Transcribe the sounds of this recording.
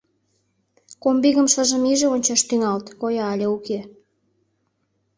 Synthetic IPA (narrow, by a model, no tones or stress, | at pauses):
kombiɣəmʃə̆ʒə̆miʒeonʲt͡ɕɑʃt̪yŋɑlt̪kojɑːlʲeuke